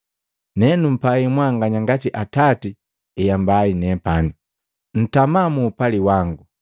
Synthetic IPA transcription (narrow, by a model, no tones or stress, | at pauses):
nɛnum̩paimwaŋɡaɲaŋɡatiʔatati | ɛjambainɛpanu | n̩tamamuːpaliwaŋɡu